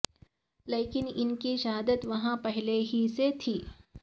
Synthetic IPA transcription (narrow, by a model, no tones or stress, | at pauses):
leːkɪnɪnkiʃaːd̪ət̪ʋɐɦãpɛɦleɦiset̪ʰiː